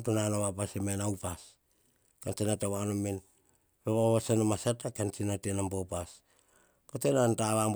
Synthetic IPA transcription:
tunanoβapasemenawpas | kant͡ʃinatawanomen | peβaβasanomasatakant͡ʃinatienambopas | kotenantaβamb

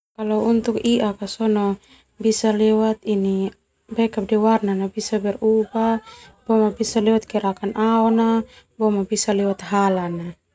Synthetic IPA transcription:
kalɔunt̪ukiʔakasɔnɔ | bisalɛwat̪ini | bɛkap̚dɛwarnanabisabɛrubab̥ɔmabisalɛwat̪̚kɛɾakanʔaɔna | bɔmabisalɛwat̪ɦalana

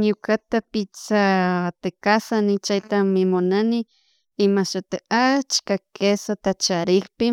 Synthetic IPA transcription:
nukat̪apit͡sat̪ekasanit͡ʃait̪amimonani | imaʃat̪eat͡ʃkakesat̪at͡ʃaɾihpi

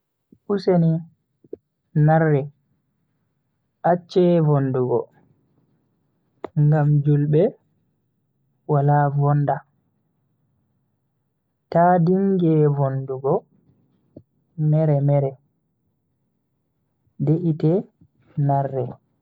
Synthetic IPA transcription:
ʔuseni | narːɛ | ʔat͡ʃːɛvonduɡɔ̰ | ŋɡamd͡ʒulɓɛ | walavɔnda | tadiŋɡɛvonduɡɔ | mɛɾɛmɛɾɛ | deʔitɛ | narːɛ

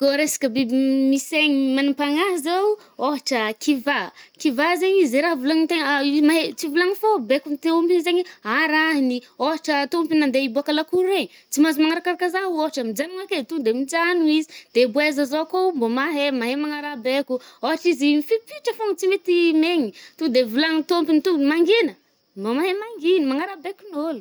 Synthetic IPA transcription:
ɡoɾesḁkəbimiseɲimanimpaŋaɦizew | oɦaʈ͡ʂəkivakivazeɲizeɾaɦvulaŋit̪eŋmaɦet͡sivulaŋifobekunt̪iumpinzeɲiaɾaɦinioɦaʈ͡ʂət̪umpinand̪eibuakalakuɾeɲi | t͡simazimaŋaɾakaɾakazaɦuoɦaʈ͡ʂəmid͡ʒaniŋaket̪ud̪emid͡ʒanuizid̪̥ebwezəzokombomaɦemaɦemaŋaɾabekuoɦaʈ͡ʂizifipiʈ͡ʂəfoŋit͡simet̪imeŋit̪ud̪evulaŋit̪ompinit̪umaŋɡinə | mbamaɦemaŋɡinimaŋaɾabekunolu̥

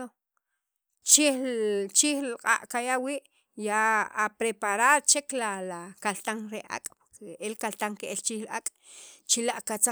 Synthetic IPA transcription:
o | t͡ʃit͡ʃiːxlqʼa̰ʔʼkajawiːʔ | jaapɾepaɾaɾt͡ʃeklalakalt̪aŋɾeʔa̰kʼpoɾkeʔelkalt̪aŋkeʔelt͡ʃiːxlʔa̰kʼ | t͡ʃilaʔkat͡sa

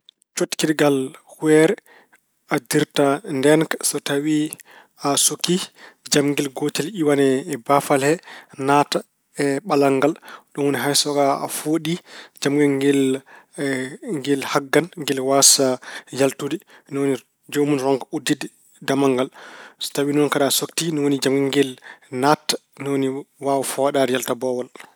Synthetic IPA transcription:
t͡ʃotkidɡalhuɛɾɛ | adiɾtandɛnkḁsɔtawi | asokid͡ʒamɡɛlɡotiliwanɛbafalhɛnaːta | ɛɓalaŋɡalɗɔnwuniɦajsɔɡaa̰foɗid͡ʒamɡɛŋɡɛl | ŋɡɛlhaɡːanŋɡɛlwasajaltudi | nɔwoni | d͡ʒomunɾɔŋkaudidɛ | damaŋɡalstawinɔnkaɗasoktinɔwonid͡ʒamɡɛŋɡɛlnatːnɔwoniwawfɔwaɗadɛjaltabɔwal

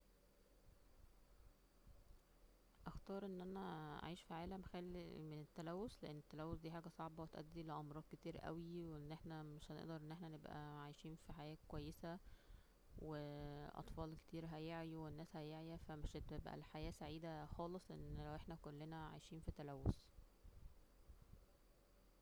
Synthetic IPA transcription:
ʔɑxt̪ɑːɾˤʔenːʔænæa̰ʕiːʃfiʕaːlæmxælːḭmenet̪ːælæwːosleʔenːet̪ːælæwːosd̪iːħaːɡæsˤɑʕbɑwet̪ʔæ̰d̪ːileʔɑmɾˤɑːd̪̥̚ket̪iːɾʔæ̰wiweenːʔeħnæmeʃhænḛʔd̪ɑɾˤʔenːʔeħnænebʔæ̰ʕajʃiːnfiħajæːkowæjːesæ | weʔɑ̰t̪ˤfɑːlke̥t̪iːɾɦæjeʕiwenːæːshæjeʕjæfæmeʃt̪ebʔæ̰lħajæːsaʕiːd̪æxɑːlesˤʔḛnːlæwʔeħnækolːenæʕa̰jʃiːnfit̪ːælæwːos

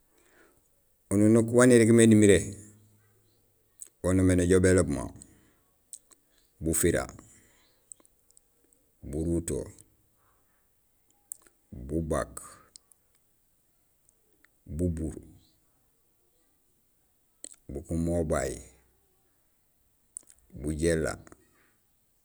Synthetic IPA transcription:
ununokuwaniɾikimenimiɾe | wonomeneɟobelobma̰ | bufiɾa̰ | buɾuto̰ | bubak | bubuɾ | bukumobaji | buɟelːa̰

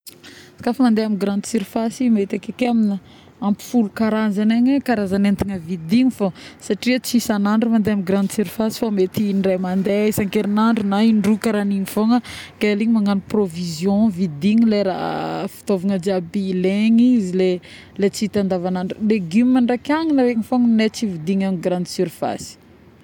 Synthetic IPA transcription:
sḁkafəmand̪eamiɡɾãnd̪isiɾifasimet̪akekeaminə | ampi̥fulukaɾazaneɲekaɾazanent̪iŋəvid̪iɲifosaʈ͡ʂiət͡sisanaɳɖ͡ʐumand̪eamiɡɾand̪siɾifasi̥famet̪inremand̪eisaŋkeɾinaɳɖ͡ʐunaiɳɖ͡ʐukəɾaninifoŋəɡ̥aaliɲimaŋaniprovizjõvid̪iŋileɾa̰fi̥t̪ovaŋəd͡ʒabileɲizile | let͡sit̪and̪avanaɳɖ͡ʐileɡymimaɳɖ͡ʐakʲaŋilaɾeŋifoŋnet͡sivid̪iŋamiɡɾãnd̪syɾfa̰si̥

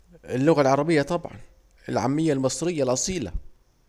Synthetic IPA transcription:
ɪlːʊɣalʕɑɾˤɑbɪjːat̪ˤɑbʕɑ̰n | ɪ̰lʕa̰mːɪjːalmɨsˤɾɪjːalʔɑsˤiːla̰

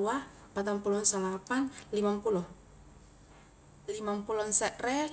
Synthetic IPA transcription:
ua | pat̪ampulɔnsalapanlimampulɔ | limampulɔnsɛʔ̪rɛ

